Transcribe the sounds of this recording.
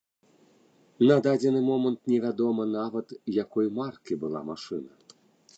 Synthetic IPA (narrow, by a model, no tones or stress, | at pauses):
nɐd̪ad͡zʲɛnɨmɔmɐnt̪nʲɛvʲad̪ɔmɐnavɐt̪jakɔjmarkʲibɨlˠa̰maʂɨnɐ